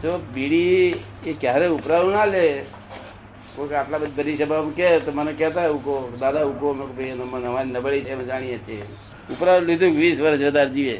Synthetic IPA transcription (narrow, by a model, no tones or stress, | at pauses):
t̪obiɽi | ekjaɾeupɾaɾunale | kõkaplabəd̪b̪əɾiʃəbʱamkɛt̪omənekɛɦt̪aeukod̪aːd̪aukomekobenmənəmaɾinəbəɭet͡ʃʰemə̃d͡ʒaːɽ̃iet͡ʃʰe | ʊpɾaɾũlid̪ukʋiːsʋəɾʃʋəd̪aɾd͡ʒiʋe